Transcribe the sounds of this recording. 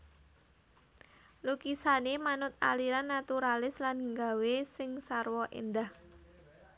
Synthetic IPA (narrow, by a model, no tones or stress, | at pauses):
lukisanemanʊt̪̚a̰liɾanːat̪uɾalɪslanŋɡawesɪŋsarwɔʔḛnd̪ah